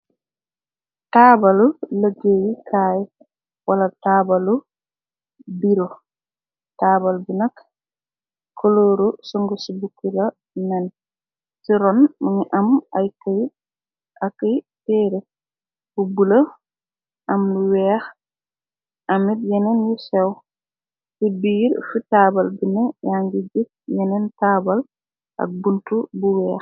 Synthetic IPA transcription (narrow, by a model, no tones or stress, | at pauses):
tabɐluləɡejikʰaːj | wɐlɐtaːbɐlu | biɾo | taːbalbinɐk | kʰːoloːɾusuŋɡusubukːilɐ | nɛn | siɾɔnmiŋiʔɐmajkəj | ʔɐkːɐj | tɛːɾe | b̥ubulɐ | ʔɐmluwɛːx | ʔɐmitjɛnɛnjisɛw | sibiːɾfitaːbɐlbinɐjaŋɡid͡ʒit̚jɛnɛntaːbal | ʔɐ̰k̚buntubuwɛːx